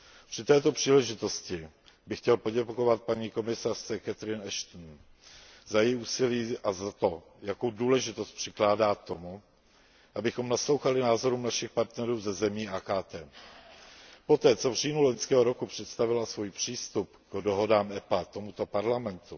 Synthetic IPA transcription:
pr̝̥ɪt̪ɛːt̪o̞pr̥iːlɛʒɪt̪o̞scɪ | bɪxcɛlpo̞ɟɛko̞vat̪̚paɲiːko̞mɪsar̝̥t͡sɛkɛt̪ɾɪnɛʃt̪n̩ | zajɛjuːsɪliːʔazat̪o̞ | jakowduːlɛʒɪt̪ost̪̚pr̝̥ɪklaːdaːt̪o̞mu | ʔabɪxo̞mnaslo̞wxalɪnaːzo̞ɾuːmnaʃɪxpaɾt̪nɛɾuːzɛzɛmiːaːkaːt̪ɛː | po̞t̪ɛːt͡so̞vr̝iːnuloɲskɛːɦoɾokupr̥ɛt̪st̪avɪlasvujpr̥iːst̪upkdoɦo̞daːmɛpat̪o̞mut̪o̞paɾlamɛnt̪u

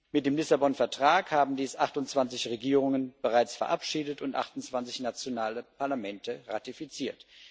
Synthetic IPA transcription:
mɪt̚d̥eːmlɪsabɔnfɛɐtʁ̥aːkhaːbm̩diːsʔaχtʊnt͡sv̥ant͡sɪçʁeɡiːʁʊŋənb̥əʁaɪt͡sfɛɐʔapʃiːdətʊntʔa̰χtʊnt͡sv̥ant͡sɪçnat͡sjonaːləpʰaɐlamɛntəʁa̰tifit͡siːɐt

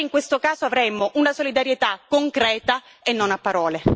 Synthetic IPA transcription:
iŋkwest̪okaːzoavɾemoʔunasolid̪aɾjet̪akːoŋkɾɛːt̪a | enːonapːaɾɔːle

